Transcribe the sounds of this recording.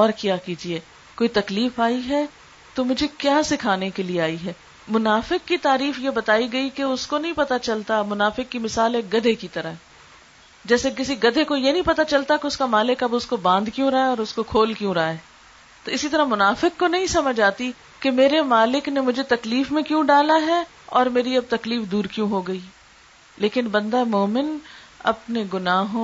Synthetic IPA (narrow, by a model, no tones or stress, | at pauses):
ɔːɾkijaːkiːd͡ʒieː | koːit̪ɐkliːfaːiɦɛ | t̪omʊd͡ʒʱekjaːsɪkʰaːnekelieaːiɦɛː | mʊnaːfɪkːit̪aːɾiːfjebɐt̪aːiɡɐikeʊskonɐɦĩpɐt̪at͡ʃɐlt̪amʊnaːfɪkːimɪsaːlɛːkɡɐd̪ʱekit̪ɐɾaɦɛ | d͡ʒɛːsekɪsiɡɐd̪ʱekojenɐ̃ɦĩpɐt̪at͡ʃɐlt̪akeʊskamaːlɪkɐbʊskobãːnd̪kjũɾaːeɔːɾʊskokʰoːlkjũɾaːɛː | t̪oɪsit̪ɐɾəmʊnaːfɪkːonɐɦĩsɐməd͡ʒʱaːt̪i | kemeːɾemaːlɪknemʊd͡ʒʱet̪ɐkliːfmẽkjũɖaːlaɦɛ | ɔːɾmeːɾiɐb̚t̪ɐkliːfd̪uːɾkjũɦoɡɐiː | leːkɪnbɐ̃nd̪amɔːmɪn | ɐ̰pneɡʊnaːɦõ